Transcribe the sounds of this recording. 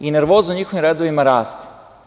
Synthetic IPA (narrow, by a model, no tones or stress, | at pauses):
ine̞ɾʋoːznuɲixo̞ʋimɾed̪oʋimaɾaːst̪